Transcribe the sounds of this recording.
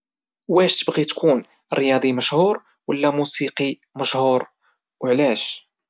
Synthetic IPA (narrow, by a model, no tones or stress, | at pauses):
wæʃt̪əbɣit̪kʰun | ɾjɑd̪ˤiməʃhuɾ | wəlːæmusiqi | məʃhuɾ | wʕlæʃ